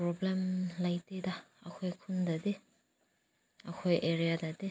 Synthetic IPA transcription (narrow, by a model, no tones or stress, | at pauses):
pɾɔblemlajtedaɐkʰojkʰundade | ɐkʰojʔeɾijadade